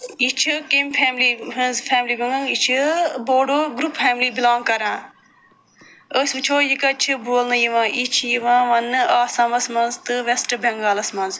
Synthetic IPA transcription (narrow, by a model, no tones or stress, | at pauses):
it͡ʃʰɨkempʰɛːmliɦɐnzfʰɛːmliːbɐŋãŋit͡ʃʰɨboːɖoːɡɾupfɛːmlibilaːŋɡkɐɾãː | əsʲʋɨt͡ʃʰoːjikɐt͡ʃʰɨbuːlnɨjiʋãːʔit͡ʃʰjiʋãːʋɐnːɨaːsãːmɐsmɐnzt̪ɨʋesʈɨbɐŋɡaːlɐsmɐnz